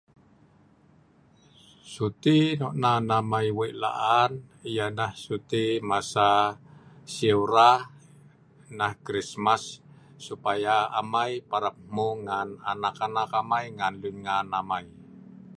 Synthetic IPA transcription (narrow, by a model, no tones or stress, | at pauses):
sut̪inɔʔnanamaiweʔla̰ʔanijanahsut̪imasa | seuɾa | nahkɾismasː | upajaa̰majpaɾəp̚muŋana̰nakanakamajŋanluɲŋanamai